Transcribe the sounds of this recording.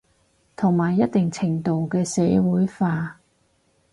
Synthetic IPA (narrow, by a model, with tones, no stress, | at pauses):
t̪ʰʊ˨˩ŋmaː˨˩jːɐ˥t̚t̪ɪ˨ŋt͡sʰɪ˨˩ŋt̪o˨wkɛː˧sɛː˨˥wuː˨˥jfaː˧